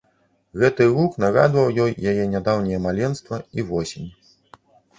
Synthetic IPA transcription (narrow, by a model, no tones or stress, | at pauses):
ɣɛt̪ɨruknaɣa̰d̪vɐwjɔjjajɛnʲad̪awnʲijɛmalʲɛnst̪vɐivɔsʲenʲ